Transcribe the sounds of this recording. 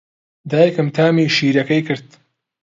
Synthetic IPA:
d̪aːjɐkɨmt̪ʰaːmiːʃiːɾɐkɐjkʰɨɾd̪̚

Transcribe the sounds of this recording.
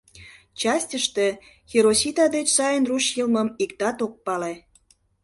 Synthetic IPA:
t͡ɕɑsʲtʲəʃt̪e | xeɾosʲit̪ɑd̪et͡ɕsɑjənruʃjəlməmikt̪ɑt̪ok̚pɑle

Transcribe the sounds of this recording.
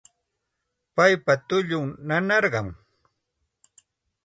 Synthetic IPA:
pajpat̪ʊʎʊŋnanɑɾɢɑŋ

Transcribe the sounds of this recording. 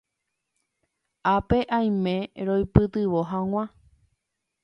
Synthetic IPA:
apeʔãj̃mẽɾojpɨt̪ɨʋoɦãŋ̃ʷã

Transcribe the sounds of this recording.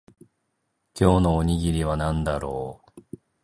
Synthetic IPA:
kʲo̞ːnoːɲ̟iɡʲiɾʲiβ̞anãnd̪aɾo̞ː

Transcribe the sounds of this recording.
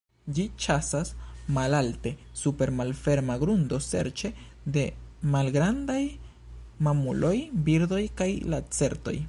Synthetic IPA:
d͡ʒit͡ʃasasmalalte̞supe̞ɾmalfe̞ɾmaɡɾund̪o̞se̞̰ɾt͡ʃe̞ | d̪e̞malɡɾand̪aj | mamulʔo̞jbiɾd̪o̞jkajlat͡se̞ɾt̪o̞̰j

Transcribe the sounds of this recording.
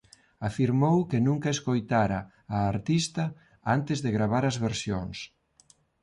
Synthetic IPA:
afiɾmowkɪnũŋkɐeskojt̪aɾɐː | ɾt̪ist̪ɐ | ant̪ɪzðeɣɾaβaɾɐzβeɾsjo̰ŋs

